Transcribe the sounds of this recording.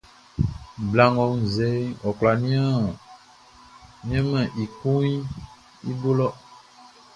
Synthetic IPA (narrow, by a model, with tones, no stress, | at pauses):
bla˨ŋɡɔ˨ŋ˨ze˨˦ɔ˨k͡pla˨nĩ˦ã˦˨ | mĩ˦ɛ̃˦mɛ̃˨ʔi˨ku˦ɲi˦ | ḭ˦bo˦lɔ˦